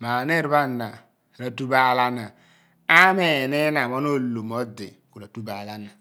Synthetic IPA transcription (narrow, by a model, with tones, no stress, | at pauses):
ma˨ne˦˨ɾba˦˨nːa˨ | ɾa˨tu˦ba˦˨la˦na˨ | a˦me˦˨ne˦na˨mo˦no˦lo˨mo˦dḛ˨ku˨ɾa˨tu˦ba˨la˦na˨